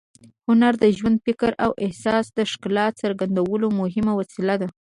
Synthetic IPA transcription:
hʊnaɾd̪əʒwand̪̚fɪkaɾawʔɪhsɑsd̪əʃklɑt̪səɾɡand̪awəlomʊɦɪmawasilad̪a

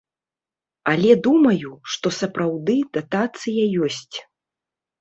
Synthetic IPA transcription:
ɐlʲɛd̪umɐjuʂt̪ɔsɐpɾawd̪ɨd̪at̪at̪sɨjɐjɔsʲt͡sʲ

